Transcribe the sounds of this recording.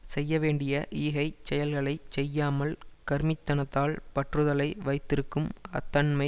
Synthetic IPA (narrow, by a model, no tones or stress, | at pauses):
sɛjːɐʋeːɳɖɪjɐʔiːɣɐɪt͡ʃɛjɐlɣɐɭɐɪt͡ʃːɛjːaːmɐlkɐɾmɪt̪ːɐnɐt̪ːaːlpɐʈrɯðɐlɐɪʋɐɪt̪ːɪɾɯkːɯmɐ̰t̪ːɐnmɐɪ